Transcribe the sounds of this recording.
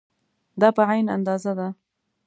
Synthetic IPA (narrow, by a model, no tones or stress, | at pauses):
d̪ɑpəʕajna̰nd̪ɑzad̪a